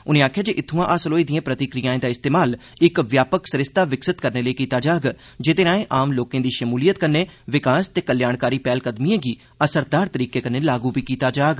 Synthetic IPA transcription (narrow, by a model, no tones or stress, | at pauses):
ʊnẽːaːkʰjaːd͡ʒeːʔɪt̪ʰːũãːʔasəloːid̪ijẽːpɾət̪ɪkɾɪjãːẽːd̪aːɪst̪eːmaːlɪkʋjaːpəksəɾɪst̪aːʋɪksɪt̪kəɾneːləikiːt̪aːd͡ʒaːɡ | d͡ʒet̪eːɾaːẽːʔaːmloːkẽːd̪iːʃəmuːlijət̪kənːeːʋɪkaːst̪eːkəljaːɳkaːɾiːpɛːlkəd̪mijẽːɡiː | əsəɾd̪aːɾt̪əɾiːkeːkənːeːlaːɡuːpiːkiːt̪aːd͡ʒaːɡ